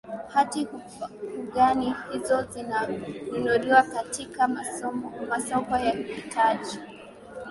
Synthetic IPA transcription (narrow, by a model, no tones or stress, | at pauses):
hati | ɠanihizɔzinaunɔɗiwakatika | masɔkɔjahitʰaʄi